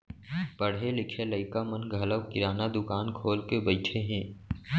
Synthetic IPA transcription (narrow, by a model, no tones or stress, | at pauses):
pəɽ̤ɦelɪkʰeləɪkamənɡʱələwkɪɾaːnad̪ʊkaːnkʰoːlkebəɪt͡ʃʰeɦɛ̃ː